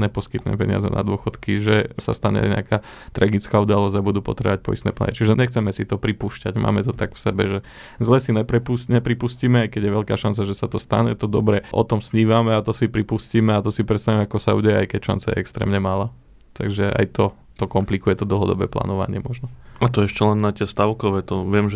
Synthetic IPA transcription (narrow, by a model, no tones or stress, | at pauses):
ɲɛpɔskit̪ɲɛ̰mpɛɲɪa̰zɛ̰na̰d̪ʊɔxɔt̪kiʒɛsa̰st̪aɲɛ̰ɲɛ̰aka | t̪ɾaɡit͡skaːud̪alɔzabud̪uːpɔt̪ɾɛ̰ʋac̚pɔist̪ɛ̰ːpla̰nɲḭt͡ʃiʒɛɲɛxt͡sɛmɛsit̪ɔpɾipuːʃcaɟmʔa̰ːmɛt̪ɔt̪aɡfsɛbɛʒɛ | zlɛsiɲɛpɾɛpusɲɛpɾipusciːmɛajkɛɟjɛʋɛʎkaːʃant͡saʒɛsat̪ɔst̪aɲɛt̪ɔd̪ɔbɾɛʔɔ̰t̪ɔmsɲiːʋamɛat̪ɔsipɾipusciːmɛat̪ɔsipɾɛt̪st̪aʋimɛakɔsaṵːɟɛjɛa̰jkɛcʃa̰nt͡sajɛ̰ɛkst̪ɾɛ̰ːmɲɛmalaː | t̪aɡʒɛa̰jt̪ɔ | t̪ɔkɔmplikujɛt̪ɔd̪l̩ˠɦɔd̪ɔ̰bɛ̰ːpla̰ːnɔʋa̰ɲɪɛmɔʒnɔat̪ɔɛʃcɛlɛnːat̪ɪɛst̪aʊkɔʋɛːt̪ɔʋɪɛmʒɛ